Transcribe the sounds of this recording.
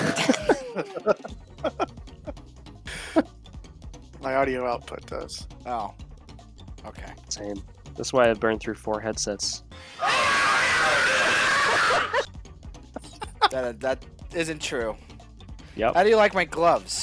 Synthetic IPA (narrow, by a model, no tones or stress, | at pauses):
maɪɑɾioʊaʊt̚pʰʊ̰t̪̚d̪̥ʌ̰z̥oʊ | oʊkʰeɪsẽɪ̃m | ðæ̰tswaɪaɪvbɜ̃˞nθɹʉfɔɹɦɛd̥sɛts | ðɨɾðɨt̚ | ɪzɨ̃ntʰɹ̥ʉ | jɛ̰phaʊɾɨjɨlaɪk̚maɪɡlʌvz̥